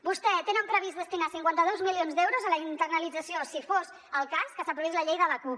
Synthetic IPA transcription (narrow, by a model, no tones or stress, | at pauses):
bust̪ɛt̪enəmpɾəβ̞izd̪əst̪inasiŋkwant̪əðozmilionzd̪ɛwɾozələint̪ərnəlid͡zəsiosifoz | əlˠkaskəsapɾuβizləʎejðələkup